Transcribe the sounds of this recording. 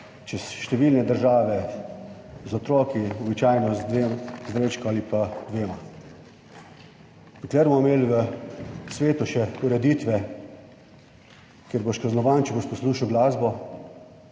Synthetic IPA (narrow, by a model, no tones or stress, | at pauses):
t͡ʃɛsʃt̪ɛʋiːlnɛd̪əɾʒaːʋɛ | zɔt̪ɾɔːkiɔbit͡ʃaːjnɔ | zd̪ɾet͡ʃkɔalipad̪ʋeːma | d̪əklɛɾmɔmeːlʋə | sʋeːt̪uʃɛuɾɛd̪iːt̪ʋɛ | keɾboʃkaznɔʋaːnt͡ʃɛboʃpɔsluːʃawɡlaːzbɔ